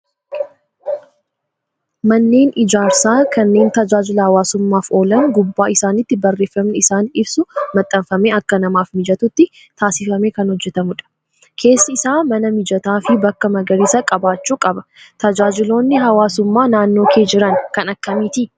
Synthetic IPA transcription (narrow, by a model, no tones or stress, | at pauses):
mɐnːe̞ːnʔɪd͡ʒaːɾsaːkʰɐnːe̞ːnt̪ɐd͡ʒaːd͡ʒɪlɐhɐwaːsʊmːaːfo̞ːlɐŋɡʊbːaːɪsaːnɪt̪ːɪbɐrːe̞ːfːɐmnɪɪsaːnɪbsʊmɐt̪ʼːɐɱfɐmeːɐkːɐnɐmaːfmɪd͡ʒɐt̪ʊt̪ːɪ | t̪ʰaːsɪfɐme̞ːkɐnhɔd͡ʒːɛt̪ɐmʊᶑɐ̥ | kʰe̞ːsːɐɪsaːmɐnɐmɪd͡ʒɐt̪aːfɪbɐkːɐmɐɡɐɾiːsɐkʼɐbaːt͡ʃːuːkʼɐbɐ̥t̪ɐd͡ʒaːd͡ʒɪlo̞ːnːɪɦɐwaːsʊmːaːnaːnːo̞ːkʰe̞ːd͡ʒɪɾɐŋkɐnɐkːɐmiːt̪ɪ